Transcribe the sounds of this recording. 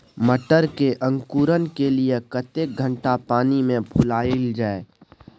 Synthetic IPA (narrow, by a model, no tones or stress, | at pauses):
məʈəɾkeʔə̃ŋkuːɾənkelijekət̪ek̚ɡʱə̃ɳʈapaːnimẽpʰʊlaːɪld͡ʒaːe